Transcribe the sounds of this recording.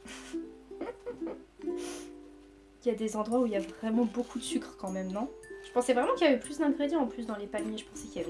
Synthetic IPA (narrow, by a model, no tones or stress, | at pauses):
iljad̪ezɑ̃d̪ʁwauiljavʁɛmɑ̃bokʰud̪əsykχəkɑ̃mɛmnɔ̃ʒ̥ə̥pɑ̃sɛvʁɛmɑ̃kiljavɛplysd̪ɛ̃ɡʁed̪jɑ̃ɑ̃plys̬d̪ɑ̃lepamjeʒəpɑ̃sɛkʲiljavɛ